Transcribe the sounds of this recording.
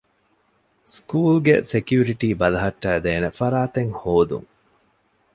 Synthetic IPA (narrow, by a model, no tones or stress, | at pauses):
skuːlɡesekjuːɾiʈiːbɐlɐɦɐʈːæːd̪eːnefɐɾaːt̪eŋhoːd̪ṵŋ